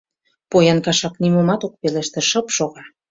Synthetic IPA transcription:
pojɑnkɑʃɑknimomɑt̪ok̚peleʃt̪ĕʃə̆pʃoɣɑ

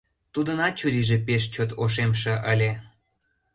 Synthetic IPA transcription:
t̪ud̪ənɑt͡ɕuɾiʒepeʃt͡ɕot̪oʃ̬emʃ̬ĕʔəlʲe

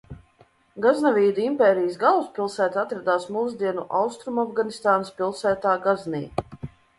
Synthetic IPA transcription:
ɡaznavʲiːd̪uimpʲɛːɾijəsɡalˠuspʲilˠsæːt̪at̪ɾad̪aːsmuːzd̪iɛnuʔawst̪ɾumavɡanist̪aːnəspʲilˠsæːt̪aːɡaznḭː

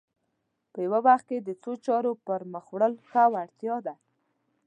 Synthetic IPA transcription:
pəjawawaxt̪̚ked̪ət͡sot͡ʃɑɾopəɾməxwɽəlkawaɽt̪jɑd̪a

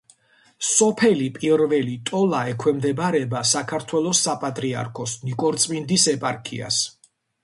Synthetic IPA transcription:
sɔpʰɛlipʼiɾvɛlit̪ʼɔlaɛkʰwɛmd̪ɛbaɾɛbasakʰaɾt̪ʰwɛlˠɔsːapʼat̪ʼɾia̰ɾkʰɔsnikʼɔɾt̪sʼmind̪isɛpʼaɾkʰḭa̰s

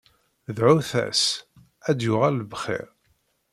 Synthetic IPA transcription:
ðʕʊθæ̰s | æd̪jʊʁælːəvχɪ̰ɾ

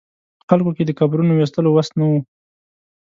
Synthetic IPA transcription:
xalkoked̪əkabɾunowes̬t̪əlowast̪nawu

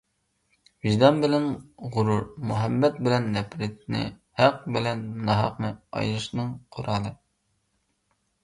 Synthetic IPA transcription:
vɪʒd̪ɑnbɪlɪnʁʊɾuɾmuɦɛbːɛt̪̚bɪlɛnːɛpɾɪt̪̚nɪ̰hæq̚bɪlɛnmnɑɦɑ̰qnɨɑ̰jɾɨʃnɨŋqʰoɾɑːlˠɨ

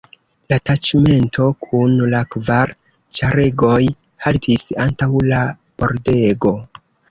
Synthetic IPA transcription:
latat͡ʃme̞ntʰo̞kʰunlakvaɾ | t͡ʃaɾe̞ɡo̞j | haltʰisantawla | b̥o̞ɾde̞ɡo̞

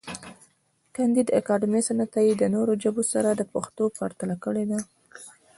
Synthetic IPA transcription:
kand̪id̪a̰kɑɖɪmesanat̪ajid̪ənoɾod͡ʒəbosaɾad̪əpaxt̪opaɾt̪alakəɽed̪a

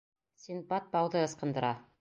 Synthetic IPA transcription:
sʲinbɑt̪̚bɑwðɤɤ̆sqɤ̆nd̪ɤ̆ɾɑ

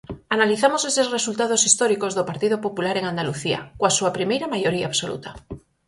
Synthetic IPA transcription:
analiθamosesezresult̪að̞osist̪oɾikozðopaɾt̪iðopopulaɾeŋand̪aluθia̰kwasuapɾimejɾamajoɾia̰ːβsolṵt̪a

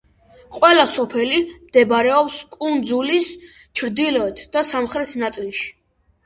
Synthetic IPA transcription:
qʼwɛlasɔpʰɛlimd̪̥ɛbaɾɛɔpskʼund̪zulis | t͡ʃʰɾd̪ilɔɛt̪ʰd̪̥asamχɾɛt̪ʰnat̪sʼilˠʃi̥

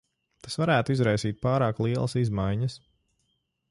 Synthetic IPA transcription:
t̪asvaɾæːt̪uizɾajsiːt̪̚paːɾɑːklˠiɛlˠɐsizmajɲɐs

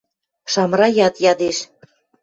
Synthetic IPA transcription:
ʃɑmrɑjɑt̪jɑd̪eʃ

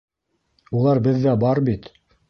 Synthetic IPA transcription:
ulˠɑɾbɘðːæbɑɾbit̪

